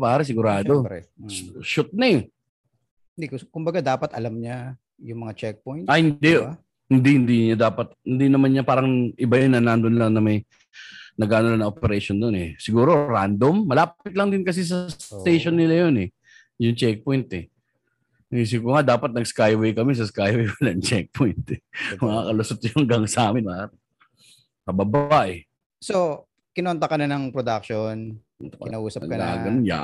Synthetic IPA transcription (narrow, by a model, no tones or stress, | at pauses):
paːɾɛs̬ɪɡʊɾaːd̪oɛʃʊt̪̚nɐ | ɪnd̪ikokʊmbɐɡad̪aːpɐt̪ɐlamɲa | jʊŋmɐŋat͡ʃɛk̚poj̪t̪ʔɐhɪnd̪ɛ | hɪnd̪ihɪnd̪iɲad̪aːpɐt̪̚hɪnd̪inɐmanɲapaːɾɐŋʔɪbajonɐnand̪onlaŋnɐmɐj | nɐɡaːnolanɐ̃ŋʔopɛɾɛʃond̪onɛsɪɡuːɾo̞ɾand̪o̞mːɐlaːppɪt̪̚lɐŋd̪ɪnkɐs̬is̬ɐst̪ejʃonːɪlajonɛ | jʊŋt͡ʃɛk̚pojnt̪ɛ | s̬ɪɡuːɾoŋad̪aːpɐt̪̚nɐɡskajwɛjkɐmɛs̬ɐskajwɛjpɐlɐnt͡ʃɛk̚pʰojnt̪ɛmɐŋakɐlʊsot̪jʊŋɡɐŋsɐaːmɪnbaːht̪ | kɐbɐbaʔɛ | so | kɪnont̪ɐkɐnɐnɐŋpɾod̪ak̚ʃon | t̪ɪnaʔuːsɐɐ̰ɡkɐna̰ːɡɐnnja̰